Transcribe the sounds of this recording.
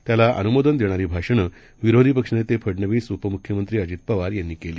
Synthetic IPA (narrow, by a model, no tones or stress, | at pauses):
t̪jalaʔə̰numod̪ənd̪eɽ̃aɾiːbʱaʂəɳ̃əː | ʋiɾod̪ʱiːp̬əkʂənet̪epʰəɽɳəʋiːsupəmukʰjəmənt̪ɾiːəd͡ʑiːt̪̚pəʋaɾjanːiːkeliː